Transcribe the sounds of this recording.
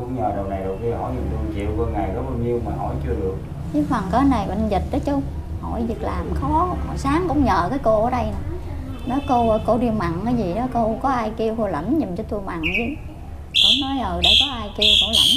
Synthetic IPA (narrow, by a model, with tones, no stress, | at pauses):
ʊ̰˧˥ŋ͡mɲəː˨˩ɗə˨˩wna˨˩jɗɨ˨˩k̚i˧hɔ̰˧˩˦jɲɨ˨˩nt̪u˧t͡ɕḭ˧˨wkɔ˨˧ŋaː˨˩jkɔ˨˦ɓaː˧wɲi˧əwmaː˨˩ɦɔ̰˧˩˦jt͡ɕɨ˧əɗɨ˨˩ək̚ | i˨˦fə˨˩ŋkəː˨˦na˨˩jɓə̰˧˨ŋnzi˨˩t̚ɗə˨˦t͡ɕʊ˧ŋ͡m | hɔ̰˧˩jzi˨˩k̚laː˨˩mxɔ˨˦hɔ˨˩saː˨˦ŋkʊ̰˧˥wŋ͡mɲəː˨˩kaː˨˦jko˧ʔəː˨˩˦ɗə˧jnɨ˨˩ | nɔ˨˦jko˧˨ko˧ɗi˧ma˨˩ŋkaː˨˦jzi˨˩ɗɔ˨˦ko˧kɔ˨˦ʔaː˧jki˧əwko˧lə̰˧˩nɲi˨˩mt͡ɕɔ˧t̪u˧əma̰˨ŋzi˧˦ | ko̰˧˩˦ŋ͡mnɔ˨˦jʔəː˨˩jɗe˧˩kɔ˨˦ʔaː˧jki˧wko˧˩˦lə̰˧˩n